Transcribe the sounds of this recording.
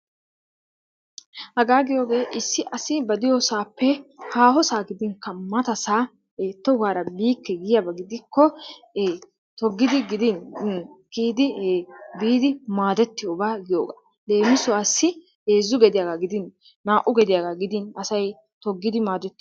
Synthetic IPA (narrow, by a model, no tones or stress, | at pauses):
hɐɡaːɡɪjo̞ːɡe̞ːʔɪsːɪʔɐsɪbɐd̪ɪjoːsaːpːɛhaːhɔsaːɡɪd̪ɪŋkːɐmɐt̪ɐsaː | eːt̪ːɔɡaːɾɐbiːkːɛɡɪjɐbɐɡɪd̪ɪkʰːɔ | t̪ɔɡːɪd̪ɪɡɪd̪ɪnkiːd̪ɪbiːd̪ɪmaːd̪ɛt̪ːɪjoːbaːɡɪjo̰ːɡa̰ | de̞ːmɪsʊaːsːɪ | eːzːʊɡɛd̪ɪjaɡaɡɪd̪ɪn | naːʔʊɡɛd̪ɪjaɡaɡɪd̪ɪnɐsɐj | t̪ɔɡːɪd̪ɪmaːd̪ɛt̪ːɪ